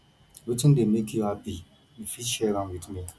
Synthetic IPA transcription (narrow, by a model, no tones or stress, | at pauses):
witɪ̃ndemekʰjuhapi | jifitʃɛɾãnwidmi